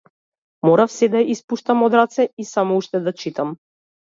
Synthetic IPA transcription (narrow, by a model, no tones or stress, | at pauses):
mɔɾafsɛd̪aʔispuʃt̪amɔd̪ɾat̪sɛisamɔuʃt̪ɛd̪at͡ʃit̪am